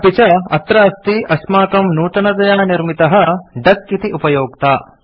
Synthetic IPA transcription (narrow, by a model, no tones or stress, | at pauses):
pit͡ʃɐɐt̪ɾɐɐst̪iʔɐʃmaːkɐmnuːt̪ɐnɐd̪ɐjaːɳɐniɾmit̪ɐɦɐ̆ɖɐkːit̪iupɐjoːk̚t̪aː